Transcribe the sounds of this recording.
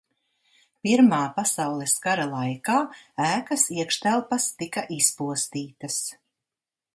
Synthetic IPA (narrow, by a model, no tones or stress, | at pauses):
piɾmaːpasawlˠɛskaɾalˠajkaːæːkɐsiɛkʃt̪ælˠpast̪ikaʔispuɔst̪iːt̪ɐs